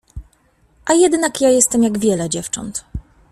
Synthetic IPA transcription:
ʔajɛd̪nakjajɛst̪ɛmjaɡvʲjɛlɛd͡ʑɛft͡ʂɔ̰nt̪

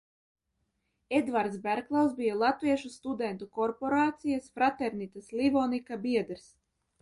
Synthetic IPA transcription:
ed̪vaɾt̪sbæɾklˠawsbijalˠat̪viɛʃust̪ud̪ɛnt̪ukɔɾpoɾaːt̪sijasfɾat̪ɛɾnit̪aslʲivɔnikabiɛd̪ɾs

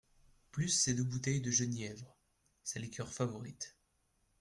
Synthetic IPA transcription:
plysːed̪øbut̪ɛjd̪əʒənjɛvʁ | sɛlikʲʰœʁfavɔʁit̪

